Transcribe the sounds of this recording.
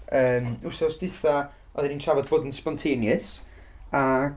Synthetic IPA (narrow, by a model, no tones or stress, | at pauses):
əːmusɔsd̥ɪθa | ɔðɛninʃʰavɔd̚boːdənspɔntʰeːnjəs | a